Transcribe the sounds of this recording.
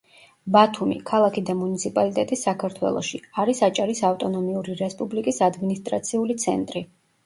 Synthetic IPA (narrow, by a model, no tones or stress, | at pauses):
bat̪ʰumḭkʰalˠakʰid̪amunit̪sʰipʼalit̪ʼɛt̪ʼisːakʰaɾt̪ʰwɛ̰lˠɔ̰ʃiaɾisat͡ʃʼaɾisaft̪ʼɔnɔmiuɾiɾɛspʼublikʼisad̪minist̪ʼɾat̪sʰiulit̪sʰɛ̰nt̪ʼɾi